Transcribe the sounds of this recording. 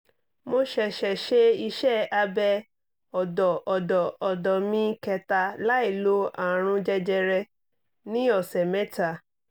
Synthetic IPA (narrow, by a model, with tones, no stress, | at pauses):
mo˧ʃɛ˨ʃɛ˨ʃe˦i˧ʃɛ˦˨a˧bɛ˧ | ɔ˨dɔ˨ʔɔ˨dɔ˨ɔ˨dɔ˨mĩ˦kɛ˧ta˧la˦i˦˨lo˦a˨ɾ̃ũ˧d͡ʒɛ˧d͡ʒɛ˧ɾɛ˧ | nĩ˦ɔ˦˨sɛ˨mɛ̃˦ta˨